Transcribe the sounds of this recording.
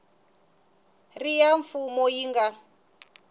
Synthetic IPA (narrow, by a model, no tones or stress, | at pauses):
rijaɱfumɔjiŋɡa